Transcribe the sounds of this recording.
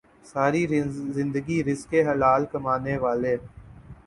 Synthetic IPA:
saːɾizɪ̃nd̪əɡiɾɪskeɦɐlaːlkəmaːneːʋaːleː

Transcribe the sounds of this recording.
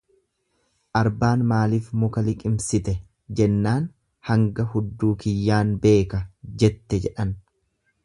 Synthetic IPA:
ʔɐɾbaːnmaːliːfmʊkɐlɪkʼɪmsɪt̪ɛ | d͡ʒɛnːaːn | hɐŋɡɐhʊd̪ːuːkɪjːaːnbe̞ːkɐd͡ʒɛt̪ːɛd͡ʒɛᶑɐn

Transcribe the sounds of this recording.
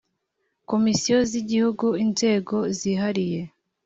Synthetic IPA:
ko̞misijo̞ziɟihuɡuinze̞ːɡo̞ziɦaɾije̞

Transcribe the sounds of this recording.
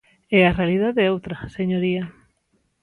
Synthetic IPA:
ɛarealiðaðeowt̪ɾɐseɲoɾia

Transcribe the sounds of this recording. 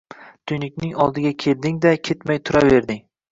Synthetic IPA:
t̪ʰʊjnɪk̚ʲnɪŋɒlˠd̪ɪɡʲakʲʰe̞ld̪ɪŋd̪akʲʰe̞t̪majt̪ʰʊɾave̞ɾd̪ɪŋ

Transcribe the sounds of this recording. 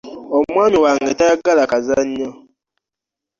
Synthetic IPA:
omwaːmiwaŋɡetajaɡalakazaɲːo

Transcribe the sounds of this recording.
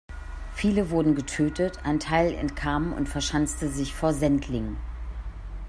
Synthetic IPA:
fiːləvʊɐdn̩ɡətʰøːtətʰʔaɪntʰaɪlɛ̰ntkʰaːməmʊ̰ntfɛɐʃant͡stəzɪçfoːɐzɛntʰlɪŋən

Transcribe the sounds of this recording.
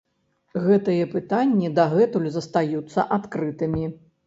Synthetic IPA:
ɣɛt̪ɨjɛpɨt̪anʲːid̪ɐɣɛt̪ulʲzɐst̪ajut̪sːɐ̰ʔat̪kɾɨt̪ɨmʲi

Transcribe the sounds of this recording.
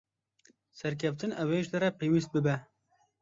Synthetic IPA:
sɛɾk̬ʰɛft̪ɨnɛweːʒd̪ɨɾɛpʰeːwiːst̪̚bɨbɛ

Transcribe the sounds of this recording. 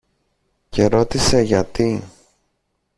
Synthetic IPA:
ce̞ɾo̞t̪ise̞ʝɐt̪i

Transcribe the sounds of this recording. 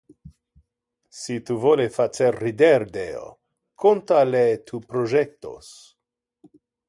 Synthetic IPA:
sit̪uvolefat͡seɾːid̪eɾd̪eo̰ | kʰont̪alet̪ʰupɾoʒek̚t̪o̰s

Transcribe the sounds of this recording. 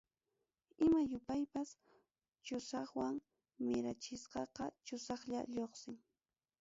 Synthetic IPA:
ɪmajʊpajpas | t͡ʃʊsɑχwaŋ | mɪɾat͡ʃɪsqɑqɑt͡ʃʊsɑχʎa̰ʎoχsɪŋ

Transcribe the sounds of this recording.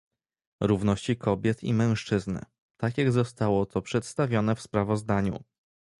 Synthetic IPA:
ɾuvnɔɕt͡ɕikʰɔbʲjɛt̪ḭmɛ̃w̃ʂt͡ʂɘznɘ̰ | t̪akʲjaɡzɔst̪awɔt̪ɔpʂɛt̪st̪avʲjɔnɛfspɾavɔzd̪aɲṵ

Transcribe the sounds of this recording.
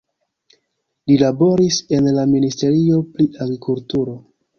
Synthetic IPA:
lilabo̞ɾise̞nlaministe̞ɾio̞pɾiaɡɾikʰultuɾo̞

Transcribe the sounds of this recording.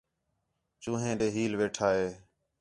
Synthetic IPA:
t͡ʃũːɦẽːɗeːɦiːlʋeːʈʰaːɦeː

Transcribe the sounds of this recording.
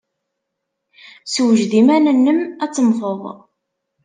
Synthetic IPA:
swəʒðimænənːəmæt͡sːəmfəðˤ

